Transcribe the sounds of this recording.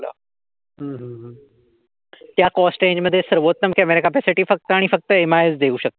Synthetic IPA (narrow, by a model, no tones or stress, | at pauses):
la̰ | ɦə̃ːɦə̃ | t̪jakɔsʈẽːɲd͡ʑməd̪ʱːjesəɾʋot̪ːəmkəmeɾikapeseʈiːfək̚t̪əaɽ̃ifək̚t̪əemaezd̪euːɕək̚t̪